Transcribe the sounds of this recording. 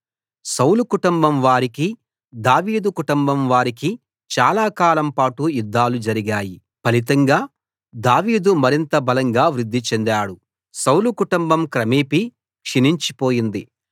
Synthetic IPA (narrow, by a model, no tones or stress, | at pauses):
sɐwlukuʈumbɐmʋaːɾiki | d̪aːʋiːd̪ukuʈumbɐmʋaːɾiki | t͡ʃaːlaːkaːlɐmpaːʈujud̪ːaːlud͡ʒɐɾiɡaːji | pɐlit̪ɐŋɡaː | d̪aːʋiːd̪umɐɾint̪ɐbɐlɐŋɡaːʋɾid̪ːit͡ʃend̪aːɽu | sɐwlukuʈumbɐmkɾɐmiːpi | kʂiniɲt͡ʃipo̞ːjind̪i